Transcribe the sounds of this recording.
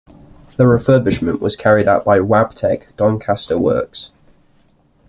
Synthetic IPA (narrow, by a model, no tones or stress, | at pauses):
ðəɹɪfɜːbɪʃmə̃nʔwɒz̥kʰaɹɪdaʊʔb̥aɪwab̥tʰɛɡ̥d̥ɒ̃nkʰastəwɜ̰ˑks